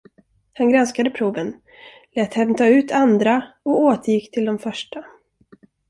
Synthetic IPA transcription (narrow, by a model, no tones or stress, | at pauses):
hanɡɾanskad̪əpʰɾuːvən | lɛːt̪hɛmt̪ʰɑːʉ̟ːt̪ʰand̪ɾaɔoːt̪ʰəjɪkːt̪ʰɪld̪ɔmfœʂʈʰa